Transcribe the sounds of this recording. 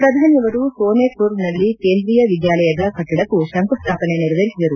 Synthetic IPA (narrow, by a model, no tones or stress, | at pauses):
pɾɐd̪ʱaːnjɐʋɐɾusoːneːpoːɾnɐlːikeːnd̪ɾijɐʋid̪jaːlɐjɐd̪ɐkɐʈːiɽɐkːusɐŋkust̪ʰaːpɐneniɾɐʋ̪ʱɐɾisid̪ɐɾu